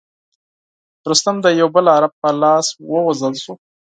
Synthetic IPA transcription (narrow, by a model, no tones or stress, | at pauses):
ɾust̪amd̪əjawbəlaɾab̚pəlɑswəwazəlʃu